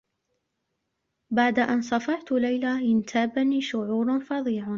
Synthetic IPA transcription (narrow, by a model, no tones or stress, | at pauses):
baʕd̪aʔansˤɑfɑʕt̪lajlaɪnt̪ʰaːbaniːʃʊʕuːɾˤfɑðˤiːʕ